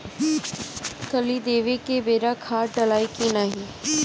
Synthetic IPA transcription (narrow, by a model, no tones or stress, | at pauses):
kəlid̪eːʋekebeːɾakʰaːʈəlaːikinaːɦĩː